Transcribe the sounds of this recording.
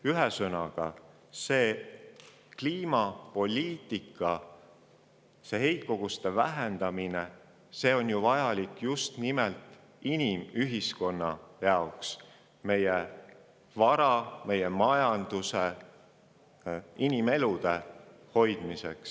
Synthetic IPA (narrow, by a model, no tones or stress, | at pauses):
yɦesɤnɑɡ̥ɑ | se̞ː | kliːmɑpo̞lʲiːt̪ːˑikːˑɑ | se̞ɦe̞jkːo̞ɡ̥ust̪e̞væ̰ɦend̪̥ɑmine | se̞ːo̞nʲjuvɑjɑlikːjust̪nimelt̪ˑ | inʲimyɦisko̞nːɑ̰jɑoks | me̞je | vɑɾɑme̞jemɑjɑnd̪̥use | inʲime̞lud̪̥e̞ | ho̞jd̪̥mise̞̰ks